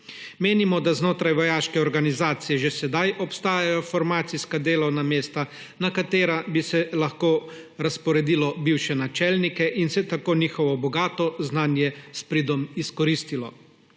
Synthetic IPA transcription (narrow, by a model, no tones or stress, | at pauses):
meːnimɔd̪aznoːt̪ɾajʋɔjaːʃkɛɔɾɡanizaːt̪sijɛʒesɛd̪ajʔɔpst̪aːjajɔfɔɾmaːt̪siskad̪eːlɔwnameːst̪a | nakat̪eːɾabisɛlaxkoːɾaspɔɾɛd̪iːlɔbiwʃɛnat͡ʃɛlnikɛʔinsɛt̪akoːniːxɔʋɔbɔɡaːt̪ɔznaːnjɛspɾiːd̪ɔmiskɔɾiːst̪ilɔ̰